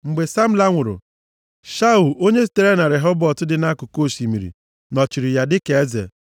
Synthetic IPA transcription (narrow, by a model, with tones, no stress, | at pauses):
ŋ͡m̩˨ɡ͡be˨sa˦m̩˦la˦ŋʷʊ˨ɾʊ̰˨ | ʃa˦u˨ʔo˦ɲe˦s̬i̥˨te˨ɾe˦na˨ɾe˨ɦɔ˦bɔ˨tʊ˦dɪ˨na˦kʊ˨ko˦˨si˨mi˨ɾḭ˨ | nɔ˨t͡ʃi˨ɾɪ˨ja˦dɪ˦ke˨e˦zḛ˨